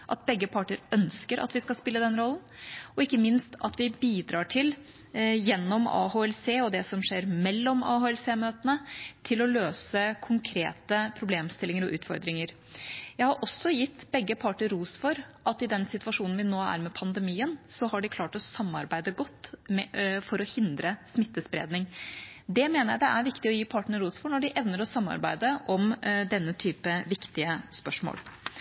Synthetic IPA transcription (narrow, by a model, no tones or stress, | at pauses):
ʔɑt̪̚bɛɡːəpʰɑːʈɪɾœnskəɾʔɑ̰t̪ʋɪskɑlspɪlːəd̪ɛnɾɔln̩ɔɪkːəmɪnst̪ʰɑt̪ʋɪbiːd̪ɾɑːʈʰɪl | jɛnːɔmɑ̰ːhoːɛlseːɔd̪ɛsɔmʂeːɾmɛlːɔmɑ̰ːhoːɛlseːmøːt̪ənət̪ʰɪlɔløːsəkʰʊŋkʰɾḛːt̪əpʰɾʊbleːmst̪ɪlːɪŋəɾɔʔʉ̰ːt̪fɔ̰ɾd̪ɾɪŋəɾ | jæɪhɑɾʔɔsːɔjɪt̪ːbɛɡːəpʰɑʈəɾuːsfɔɾʔɑt̪ːɪd̪ɛnsɪt̪ʋɑʂuːnn̩ʋɪnoːæ̰ɾmɛpʰɑnd̪əmiːənsɔhɑɖɪkʰlɑːʈɔsɑmːɑɾbæɪd̪əɡɔt̪ː | fɔɾɔhɪnd̪ɾəsmɪt̪ːəspɾḛːd̪nɪŋd̪ɛmeːnəɾjæɪd̪ɛʔæɾʋɪkt̪ɪɔjiːpʰɑːʈəɳəɾuːsfɔɳɔɖɪʔɛʋnəɾɔsɑmːɑ̰ɾbæɪd̪əʔɔmd̪ɛnːət̪ʰyːpəʋɪkt̪ɪəspœʂmo̰ːl